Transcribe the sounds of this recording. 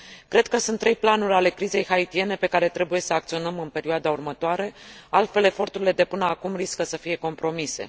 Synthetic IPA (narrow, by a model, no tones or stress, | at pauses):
kɾe̞d̪̚kəsunt̪ːɾe̞jplanuɾʲale̞kɾize̞jhait̪ie̞ne̞pe̞kaɾe̞t̪ɾe̞buje̞səakt̪sio̞nəmɨnpe̞ɾioad̪aurmət̪oaɾe̞alt̪fe̞le̞fo̞rt̪uɾile̞d̪e̞pɨnəakumɾiskəsəfije̞ko̞mpɾo̞mise̞̰